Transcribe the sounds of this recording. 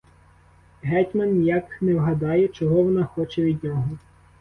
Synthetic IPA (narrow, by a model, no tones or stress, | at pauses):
ɦɛtʲmɐnjaknɛwɦɐd̪ɑjɛt͡ʃɔɦɔʋɔnɑxɔt͡ʃɛʋʲid̪ʲnʲɔɦɔ